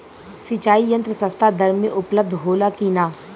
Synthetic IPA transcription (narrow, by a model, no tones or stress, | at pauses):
sit͡ʃaːijə̃nt̪ɾəsə̃st̪ʰad̪ɐɾmːẽʔʊpləb̚d̪ʱɦoːlakiːnaː